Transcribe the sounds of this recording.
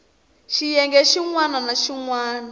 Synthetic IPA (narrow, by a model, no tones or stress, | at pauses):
ʃijɛŋɡɛʃiŋwananaʃiŋwaːna